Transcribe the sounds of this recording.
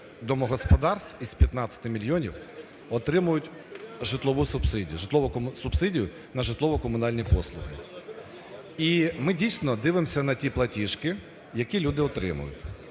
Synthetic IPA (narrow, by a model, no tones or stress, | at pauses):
d̪ɔmɔɦɔspɔd̪ɑrst̪wizpʲjɐt̪nɑt͡sʲːɐ̥t̪ɪmʲilʲjɔnʲiw | ɔt̪ɾɪmʊjʊtʲ | ʒɪt̪lˠɔʋusʊbsɪdʲḭjʊʒɪt̪lˠɔʋɔksʊbsɪdʲijʊ | nɐʒɪt̪lˠɔʋɔkɔmʊnɑlʲnʲipɔslˠʊɦɪ̰ | imɪdʲijsʲnɔd̪ɪʋɪmsʲɐnɐtʲiplˠɐtʲiʃkɪ | jɐkʲilʲud̪ɪɔt̪ɾɪ̰mʊ̰jʊ̰tʲ